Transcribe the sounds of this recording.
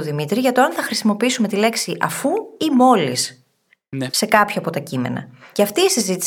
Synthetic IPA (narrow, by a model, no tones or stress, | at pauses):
oðimit̪ɾiʝɐt̪o̞ɐnθɐxɾisimo̞piisume̞t̪ile̞ksiʔɐ̰fuimo̞lis | se̞kɐpçɐːpo̞t̪ɐcimḛnɐ̰ceɐft̪iːsizit̪i